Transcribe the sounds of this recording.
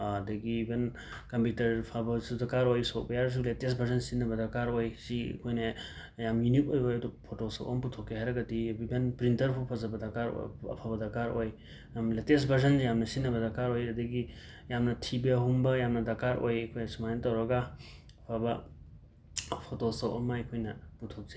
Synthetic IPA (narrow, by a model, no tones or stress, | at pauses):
ɐdɐɡiːben | kɐmpjutɐɾpʰabɐsudɐkaɾojsok̚bɐjaɾs̬uletes̬bʱɐɾzɐnsinːɐbɐdɐkaɾojsḭkʰojne | jamjunitojojɐdupʰotosɐo̰mputʰokːeɦajɾɐɡɐdiibenpɾintɐɾpʰupʰɐzɐbɐdɐkaɾ̰ɐ̰pʰabɐdɐkaɾoj | mletesbʱɐɾzɐnjamnɐsinːɐbɐdɐkaɾojɐdɐɡi | jamnɐtʰibiɐɦumbɐjamnɐdɐkaɾo̰jɐkʰojnɐsumajntɐwɾɐɡa | pʰabɐ | pʰotosɐwʔɐ̰mɐjkʰojnɐputʰok̚ze